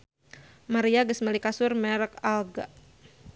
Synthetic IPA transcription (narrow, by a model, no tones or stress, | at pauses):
maɾiaɡəsməlikasʊrmɛɾəkalɡa